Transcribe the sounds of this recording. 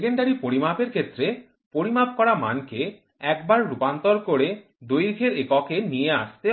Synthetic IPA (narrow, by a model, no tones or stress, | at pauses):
keɳɖaɾipoɾimapeɾkʰet̪ːɾe | poɾimap̚kɔɾama̰nke | ɛkbaɾɾupant̪oɾkoɾe | ɖ̪ojɾkʰeɾekɔkenijea̰ʃt̪e